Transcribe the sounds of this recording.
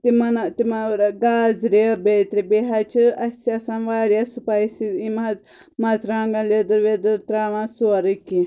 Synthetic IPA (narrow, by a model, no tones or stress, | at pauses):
t̪imɐnat̪imaɾɡaːzɾebeːt̪ɾibeːɦat͡ʃʰiɐsasãːnʋaːɾjasupaːjsiimaz | mazɾãːŋɡãled̪ɨɾʋed̪ɨɾt̪ɾaːʋãsuɐɾɨki